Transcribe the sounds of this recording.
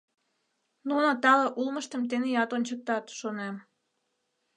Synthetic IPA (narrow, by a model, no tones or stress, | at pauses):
nunot̪ɑləʔulməʃt̪ə̆mt̪enejɑt̪onʲt͡ɕək̚t̪ɑt̪ʃonem